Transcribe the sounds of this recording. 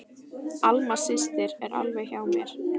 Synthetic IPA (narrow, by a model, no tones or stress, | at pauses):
almḁsɪst̪ɪɾɛɾa̰lvɛjçaːwmjɛɾ̥